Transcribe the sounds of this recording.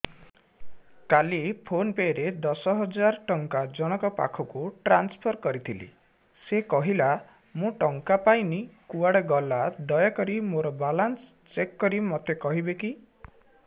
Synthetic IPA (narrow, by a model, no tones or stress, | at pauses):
kalipʰonpeɾed̪ɔsɔɦɔd͡ʒaɾʈɔŋkad͡ʒɔɽ̃ɔkɔpa̰kʰɔkuʈɾanspʰɔɾkɔɾit̪ʰilḭ | sekɔɦila | mũʈɔŋkapajnikuaɽeɡɔlad̪ɔjakɔɾimoɾɔbalans | t͡ʃekːɔɾimɔt̪ʰekɔɦibeki